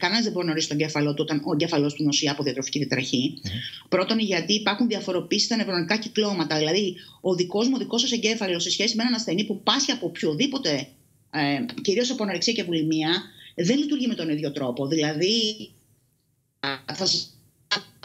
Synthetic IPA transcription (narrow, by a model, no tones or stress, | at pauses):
kɐnenɐzðebo̞ɾinɐo̞ɾist̪o̞ɲɟe̞fɐlo̞t̪uo̞t̪ɐno̞eɲɟe̞fɐlo̞st̪unosiɐːpoðiɐt̪ɾo̞ficiðiɐt̪ɾɐçipɾo̞t̪o̞niʝɐt̪iːpɐɾxunðiɐfo̞ɾo̞piːsi̥st̪ɐnevoɾonikɐciklo̞mɐt̪ɐðilɐðioðiko̞zmuoðiko̞sɐse̞ɲɟe̞fɐlo̞se̞sçe̞simeenɐnɐsθe̞nipupɐsçiɐpopçoðipo̞t̪e̞ | ciɾio̞sɐpo̞nɐɾeksiɐcevulimiɐðe̞nlit̪uɾʝime̞t̪o̞niðʝo̞t̪ɾo̞po̞ðilɐði | θɐsɐ